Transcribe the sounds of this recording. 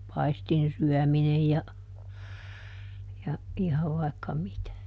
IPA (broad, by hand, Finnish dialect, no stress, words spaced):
pɑistinsyœˑminej jɑ jɑ ihɑʋ ʋɑikːɑ mitæ